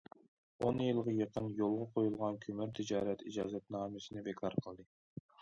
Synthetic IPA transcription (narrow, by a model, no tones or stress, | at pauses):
onjɨlˠʁɑjeqʰənjolˠʁɑqʰojulˠʁɑnkʲʰømɪɾt̪ʰɪd͡ʒɑːɾɛt̪id͡ʒɑːzɛt̪̚nɑːmɨsɪnɪbekʰɑɾqʰəlˠd̪ɨ